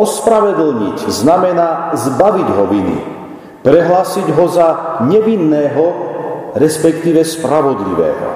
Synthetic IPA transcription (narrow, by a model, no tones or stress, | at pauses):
ɔspɾaʋɛd̪l̩ɲḭcznamɛnaːzbaʋiɟɦɔʋinḭ | pɾɛɦlaːsiɟɦɔzaɲɛʋinːɛːɦɔ | ɾɛspɛkt̪iːʋɛspɾaʋɔd̪lḭʋɛ̰ːɦɔ̰